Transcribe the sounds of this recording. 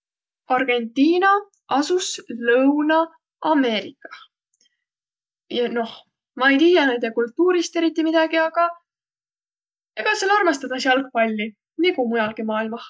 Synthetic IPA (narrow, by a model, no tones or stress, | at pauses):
ɑrɡ̥e̞nt̪ˑːiːnɑ | ʔɑsuslɤwnɑ | ɑme̞ːɾikːˑɑ̥ | jɑno̞h | mɑe̞jt̪iːjɑnejd̪ekult̪ːˑuːɾist̪e̞ɾit̪ːˑimid̪̥ɑɡ̥iɑɡ̥ɑ | eɡ̥ɑselɑrmɑst̪ɑd̪ɑsiɑlk̚pɑlʲːi | nikumujɑlkimɑːilmɑ